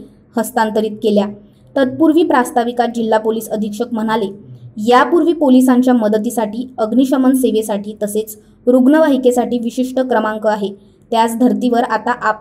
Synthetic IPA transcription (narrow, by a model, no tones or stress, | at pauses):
həst̪ant̪əɾiːt̪̚kelja | t̪ət̪̚puɾʋiːpɾast̪aʋikat̪̚d͡ʑilːapoliːsəd̪ʱikʂəkm̤əɽ̃alejapuɾʋiːpolisaɲt͡ɕjaməd̪ət̪isaʈiːəɡniɕəmənseʋesaʈiːt̪əset͡s | ɾuɡnəʋaɦikesaʈiːʋiɕiʂʈəkɾəmaŋkəaɦe | t̪jat͡sd̪ʱəɾt̪iʋəɾat̪aʔa